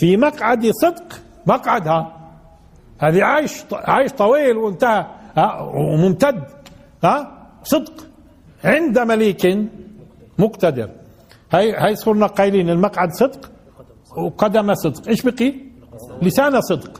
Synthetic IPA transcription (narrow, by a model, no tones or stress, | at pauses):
fimaqʕad̪isˤɨd̪q | maqʕad̪ha | haːðiʕaːjʃt̪ʕaːjʃt̪ˤɑwiːlwɪnt̪ahahawmʊmt̪ad̪ | haːsˤɨd̪q | ʕɪnd̪amaliːkɪn | mʊqt̪ad̪ɪ̰ɾ | hajhajsˤuːɾnaqɑːliːnɪlmaqʕad̪sˤɨd̪q | wqɑd̪amasˤɨd̪qʔeːʃbiqi | lɪsaːnasˤɨd̪q